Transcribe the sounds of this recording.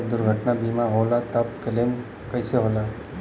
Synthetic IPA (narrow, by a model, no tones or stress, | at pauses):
d̪ʊɾɡʱəʈnabiːmaɦoːlat̪ɐp̚kəlem | kəjseɦoːla